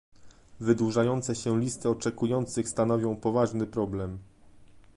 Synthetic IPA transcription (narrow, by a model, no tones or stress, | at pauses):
vɘd̪wuʐajɔnt̪sɛɕɛlʲist̪ɘɔt͡ʂɛkujɔnt̪sɘxst̪anɔvʲjɔ̃w̃pɔvaʐnɘpɾɔblɛm